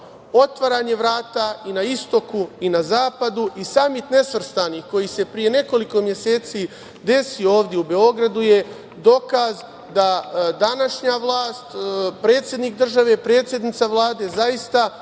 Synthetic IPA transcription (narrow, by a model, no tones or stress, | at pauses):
o̞t̪ʋaɾaːɲe̞ʋɾaːt̪ainaist̪o̞kuinazaːpad̪uʔisamit̪ne̞sʋr̩st̪anixko̞jise̞pɾije̞ne̞ko̞liko̞mjese̞ːt̪si | d̪e̞sio̞ːʋd̪ʲjeube̞o̞ɡɾad̪uje̞ | d̪o̞kaz | d̪ad̪anaʃɲaʋlˠaːst̪pɾe̞ːt̪sje̞d̪nik̚d̪r̩ʒaʋe̞pɾe̞ːt̪sʲje̞d̪nit̪saʋlˠaːd̪e̞ːzajist̪a